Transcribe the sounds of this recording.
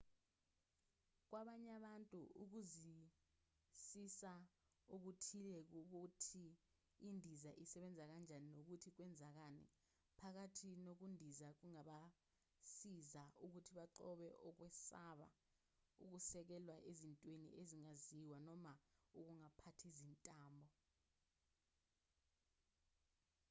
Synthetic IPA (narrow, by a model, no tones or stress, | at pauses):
k̬waɓaɲaɓantʼuuk̬uzi | sisa | uk̬utʰilɛk̬uk̬utʰiː | ndʱizaʔisɛɓɛnd͡zʱak̬and͡ʒʱaninok̬utʰik̬wɛnd͡zʱak̬anɛ̰ | pʰak̬atʰinok̬undʱizak̬uŋaɓa | sizaʔuk̬utʰiɓaǃɔɓɛʔɔk̬wɛsaɓa̰ | ṵk̬usɛk̬ɛlwaʔezintʼwenḭʔeziŋaziwanɔmauk̬uŋapʰatʰizintʼaːmbʱɔ